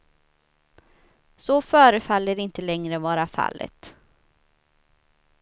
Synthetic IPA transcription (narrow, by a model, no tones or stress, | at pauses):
sɔfœːɾəfalːəɾɪnt̪əlɛŋɾəvɑːɾafa̰lːə̰t̪